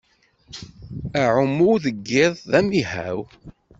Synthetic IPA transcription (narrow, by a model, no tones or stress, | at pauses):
æʕʊmuwðəɡːɪðˤðæmihæ̰w